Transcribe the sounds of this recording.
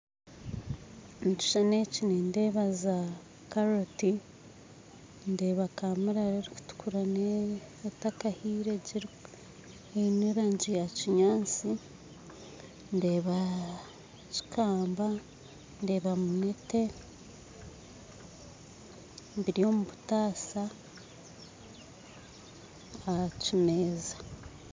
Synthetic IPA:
mici̥ʃanecinende̞βaza | kaɾoti | nde̞ːβakamiɾaɾeɾiku̥tu̥kʰuɾanetakahiːɾe̞ɟiɾ | eniɾaɲɟijaciɲaːnt͡si | nde̞ːβa | ci̥kaːmba | nde̞ːβamunete̞ | mbiɾijo̞muβutaːsa | acime̞ːza

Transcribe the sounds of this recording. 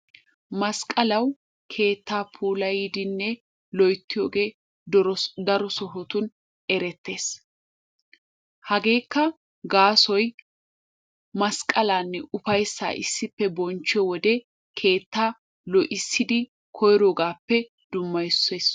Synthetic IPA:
mɐskʼɐlɐw | kʰe̞ːt̪ːaːpʰuːlɐjid̪ɪnːɛ | lɔjt̪ːɪjoːɡeː | d̪ɐɾɔsɔɦɔt̪ʊn | ɛɾɛt̪ːe̞ːs | hɐɡe̞ːkːɐ | ɡaːsɔj | mɐskʼːɐlaːnːɛʔʊfɐjsːa̰ːʔɪ̰sːɪpːɛbɔnt͡ʃːɪjɔwɔd̪ɛ | kʰe̞ːt̪ːaː | lɔʔɪsːɪd̪ɪ | kʰɔjɾoːɡaːpːɛ | d̪̥ʊmːɐjsːe̞ːs

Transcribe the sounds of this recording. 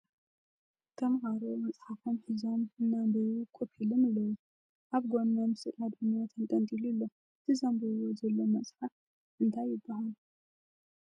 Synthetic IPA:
k̪ʰɐmhaɾomɐt͡sʼħafomħɨzomɨnːabɐjukʷʼupilɨmɨlːɐwu | ʔaβɡonːɐmsɨʔʼmɐd̪ɨnat̪ʰɨnt̪ʼɐnt̪ʼilulːo | ɨt̪ʰɨzɐmbɐwozɐlːo̞mɐt͡sʼħaf | ʔɨnt̪ʰajːɪbːaɦalu

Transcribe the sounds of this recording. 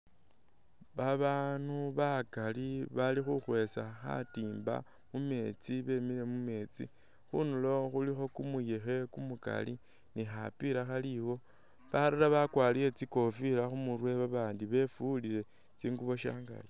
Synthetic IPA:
βaβaːnuβakaliβalixuxwe̞saxa̰tiːmba̰ | mume̞t͡siβe̞mile̞mume̞ːt͡sḭ | xunulo̞xulixo̞kumujexe̞kumuka̰li | nixapiɾaxaliwo̞ | βaɾiɾaβakwaːlije̞t͡siko̞fiɾaxumurwe̞βaβaːndiβe̞fulile̞ | t͡siːŋɡuβo̞ʃa̰ːŋɡa̰ji

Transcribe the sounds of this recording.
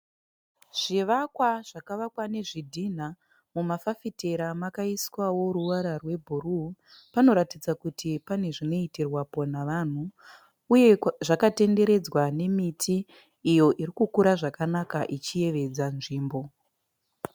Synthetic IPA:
ʐ̥iʋakwaʐ̥akaʋakwane̞ʐidʱin̤a | mumafafite̞ɾamakaiswawo̞ɾuʋaɾarwe̞bʱuru | pano̞ɾatid͡zakutʰipane̞ʐino̞itirwapo̞naʋan̤u | uje̞ʐakate̞nde̞ɾe̞d͡zwane̞mitʰiː | jo̞ʔiɾikukuɾaʐakanakaʔit͡ʃije̞ʋe̞d͡zanʐiːmbo̞

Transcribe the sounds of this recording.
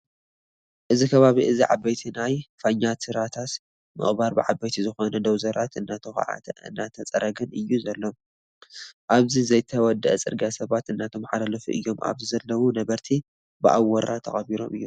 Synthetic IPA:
ʔɨzikʰɐβaβiʔɨziʕabɐjt̪ʰinajfaɲːat̪ɨɾat̪ʰat̪ | mɨ̰χʼbaɾbɨʕabːɐjt̪ʰizɨxo̞nɐd̪ɐwzɐɾat̪ɨnːat̪ʰɐxʕa̰t̪ʰɐ̰ɨ̰nːat̪ʰɐt͡sʼɐɾɐɡɨnɨjːuzɐlːo̞m | ʔaβzizɐjt̪ʰɐwɔd̪ːɐʔɐt͡sʼɨ̰ɾɡasɐβat̪ɨnːat̪ʰo̞mħalalɐfuʔɨ̰jːo̞ma̰βzɨzɐlːɐwunɐβɐɾt̪ʰi | bɨʔa̰wːɐɾat̪ʰɐ̰xʼɐβiɾo̞̰mɨjːu

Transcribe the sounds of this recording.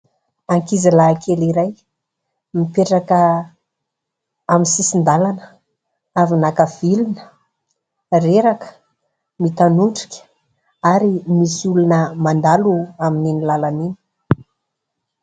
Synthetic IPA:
aŋkizilakʰeliɾaj | mipeʈ͡ʂakə | aminsisind̪alanə̥ | avinakav̥ilunə̥ | reɾakə̥ | mit̪anuɳɖ͡ʐi̥kʲə̥ | aɾimisulunəmand̪aluamininilalanini̥

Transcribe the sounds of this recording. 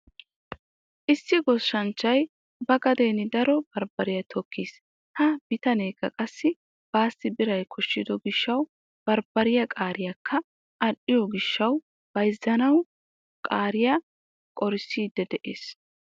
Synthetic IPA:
ʔɪsːɪɡɔʃːɐnt͡ʃːɐj | bɐɡɐd̪eːnɪd̪ɐɾɔb̥ɐɾbɐɾɪjɐt̪ʰɔkʰːis | hɐb̥ɪt̪ɐneːkːɐ̰kʼɐsːɪ | b̥aːsːɪbɪɾɐjkʰɔʃːɪd̪ɔɡɪʃːɐw | b̥ɐɾbɐɾɪjɐkʼaːɾɪjɐkʰːɐ | ʔɐɗɪjɔɡɪʃːɐw | b̥ɐjzːɐnɐw | kʼaːɾɪjɐ | kʼɔɾɪsiːd̪ɛd̪ɛʔeːs

